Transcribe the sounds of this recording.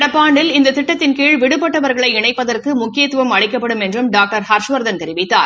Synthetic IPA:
ɽɐpːaːɳɖɪlɪnd̪ɐt̪ɪʈːɐt̪ːɪnkiːɻʋɪɽɯpːɐʈːɐʋɐɾɣɐɭɐɪɪɳɐɪpːɐðɐrkɯmʊkːɪjɐt̪ːɯʋɐmɐɭɻɪkːɐpːɐɽɯmɛndrɯmɖaːk̚ʈɐɾhɐɾʂʋɐɾd̪ɐnt̪ɛɾɪʋɪt̪ːa̰ː

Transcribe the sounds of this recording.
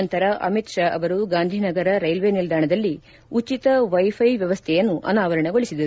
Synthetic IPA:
ɐnt̪ɐɾɐʔɐ̰mit̪ʃaːʔɐʋɐɾuɡaːnd̪ʱinɐɡɐɾɐɾɐjlʋenild̪ʱaːɳɐd̪ɐlːi | ut͡ʃit̪ɐʋɐjpʰɐjʋjɐʋɐst̪ʰɛjɐnːuʔɐ̰naːʋɐɾɐɳɐɡo̞ɭisid̪ɐɾu

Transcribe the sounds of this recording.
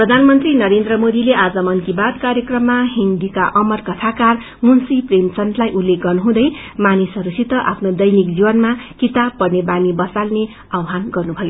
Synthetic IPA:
prʌd̪ʱanmʌnt̪rinʌɾend̪rʌmod̪ileʔad͡zʌmʌnkibad̪kaɾjʌkrʌmːaɦind̪ikaʔʌmʌrkʌt̪ʰakar | munsipremt͡sʌnt̪lajʔulːek̚ɡʌrnuɦũd̪ʌj | manisʌɾusit̪ʌʔa̰pʰnod̪ʌjnik̚d͡zibʌnmakit̪ab̚pʌrnebanibʌsalne | ʌwɦanɡʌrnubʱʌjo

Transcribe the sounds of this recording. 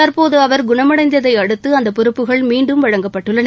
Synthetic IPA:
ɐɾpoːðɯɐʋɐɾɡʊɳɐmɐɽɐɪnd̪ɐðɐɪɐɽɯt̪ːɯɐnd̪ɐpːɔɾɯpːɯɣɐɭmiːɳɖɯmʋɐɻɐŋɡɐpːɐʈːɯɭːɐn

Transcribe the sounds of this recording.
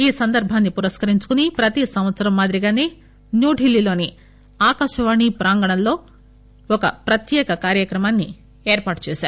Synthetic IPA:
iːsɐnd̪ɐɾbʱaːnːipuɾɐskɐɾiɲt͡ʃu̥kunipɾɐt̪isɐmʋɐt̪sɐɾɐmːaːd̪ɾiɡaːne̞ː | njuːʈilːilo̞ːni | aːkaːʃɐʋaːɳipɾaːŋɡɐɳɐlːo̞ː | ɔkɐ̰pɾɐt̪jɛːkɐkaːɾjɐkɾɐmaːnːi | eːɾpaːʈt͡ʃeːsaːɾu

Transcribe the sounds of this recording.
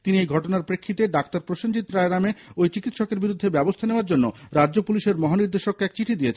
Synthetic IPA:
t̪iniejɡʱɔʈonaɾpɾekʰːit̪eɖakt̪aɾpɾoʃond͡ʑit̪ːɾaeɾameojt͡ɕikit̪ʃɔkeɾbiɾud̪ʱːebɛbost̪ʰaneoaɾd͡ʑonːoɾadd͡ʑopuliʃeɾmɔɦaniɾd̪eʃokːɛk̚t͡ɕiʈʰid̪ijet͡ɕʰn

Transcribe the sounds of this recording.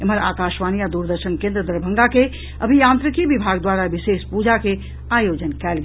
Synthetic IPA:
eməɾa̰ːkaʃʋanijad̪uɾd̪əɾʃənkẽnd̪ɾəd̪əɾbʱəŋɡake | ə̰bʱijãnt̪ɾikibibʱaɡd̪waɾabisespud͡ʒake | ajod͡ʒənkɛlɡ

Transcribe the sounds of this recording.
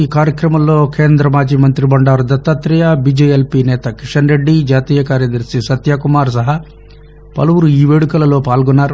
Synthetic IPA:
iːkaːɾjɐkɾɐmɐmlo̞ːkʰe̞ːnd̪ɾɐmaːd͡ʒimɐnt̪ɾibɐɳɖaːɾud̪ɐt̪ːɐt̪ɾijabiːd͡ʒɐelpiːnɛːt̪ɐkiʂɐnɾe̞ɖːid͡ʒaːt̪iːjɐkaːɾjɐd̪ɐɾʂisɐt̪jaːkumaːɾs̬ɐɦɐ | pɐ̰lɐʋuɾuiːʋe̞ːɽukɐlɐlo̞ːpaːlɡɔnːaːɾu

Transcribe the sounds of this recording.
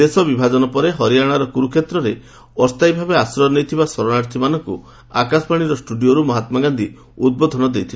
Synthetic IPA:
d̪esɔbibʱad͡ʒɔnɔpɔɾeɦɔɾijaɽ̃aɾɔkuɾukʰet̪ɾɔɾe | ɔst̪ajbʱabeasɾɔnejt̪ʰibasɔɾɔnaɾt̪ʰimanɔŋkṵ | akasɔ̥paɽ̃iɾɔsʈuɖioɾumɔɦat̪maɡand̪i | ud̪̚bod̪ʱɔnɔd̪ejt̪ʰil

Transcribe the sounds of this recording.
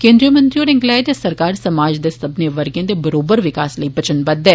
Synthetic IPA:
kẽːnd̪ɾijəmə̃nt̪ɾioːɾɪ̃ŋɡlɛːdesəɾkaːɾsəmaːd͡ʒd̪eːsəbneːʋəɾɡjẽːd̪ebəɾoːbəɾʋɪkaːsləibət͡ʃənbəd̪ɛː

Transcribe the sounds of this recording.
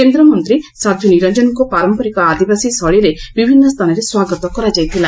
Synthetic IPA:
kend̪ɾɔmɔnt̪ɾisab̪ʱjɔniɾɔnd͡ʒɔnɔkupaɾɔmpɔɾikɔad̪ibasisɔɭiɾebibʱinːɔst̪ʰanɔɾeswaɡɔt̪ɔkɔɾad͡ʒajt̪ʰilã

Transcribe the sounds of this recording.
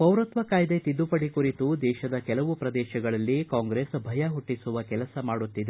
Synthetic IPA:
pɐwɾɐt̪ʋɐkaːjd̪et̪id̪ːupɐɽikuɾit̪ud̪ɛːʃɐd̪ɐkɛlɐʋupɾɐd̪ɛːʃɐɡɐɭɐlːikaːŋɡɾeːsbʱɐjɐɦuʈːisuʋɐkɛlɐsɐmaːɽut̪ːid̪e

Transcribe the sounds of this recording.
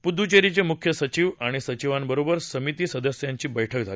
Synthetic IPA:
pud̪ut͡ɕeɾit͡ɕemukʰjəsət͡ɕiːʋaɽ̃isət͡ɕiʋambəɾobəɾsəmit̪iːsəd̪əsjaɲt͡ɕiːbəjʈʰəkd͡zʱali

